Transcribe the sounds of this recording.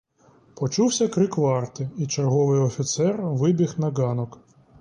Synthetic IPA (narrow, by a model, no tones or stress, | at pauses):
pɔt͡ʃuwsʲɐkɾɪkʋɑrt̪ɪit͡ʃerɦɔʋɪjɔfʲit̪sɛrʋɪbʲixnɐɡɑnɔk